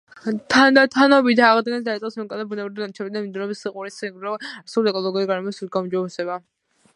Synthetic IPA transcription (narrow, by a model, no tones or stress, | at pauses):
t̪ʰand̪at̪ʰanɔbid̪aːʁd̪ɡɛnsd̪aisʼɔsmɛkʼad̪abunɛbɾid̪d̪ant͡ʃʰɛbid̪amimd̪unɛbisiqʼuɾisɾɔaɾsuliɛkʼɔlˠɔɡiuɾiɡaɾɛmɔsuɡaumd͡ʒɔbɛsɛba